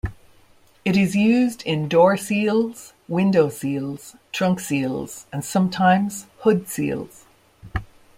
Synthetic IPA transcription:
ɪɾɪzjʉːzdɪ̃ndɔɹsilˠz̥ | wɪ̃ndoʊsilˠz̥tʰɹ̥ʌ̃ŋksilˠz̥ə̃nsʌ̃mtʰãɪ̃mz̥hʊdsḭːlˠz̥

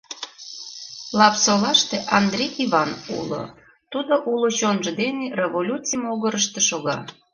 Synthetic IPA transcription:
lɑpsolɑʃt̪eʔɑnd̪rʲejiβɑnṵlo̰ | t̪ud̪oʔulot͡ɕonʒə̆d̪enerevolʲut͡simoɣəɾəʃt̪eʃoɣɑ̰

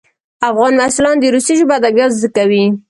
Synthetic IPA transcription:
afɣɑnmasulɑnd̪əɾusiʒubad̪aɡjɑzəkawi

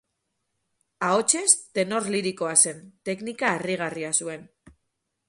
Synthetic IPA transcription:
ao̞t͡ʃe̞st̪e̞no̞ɾliɾiko̞ase̞nt̪e̞knikaːriɣ̞ariasue̞n

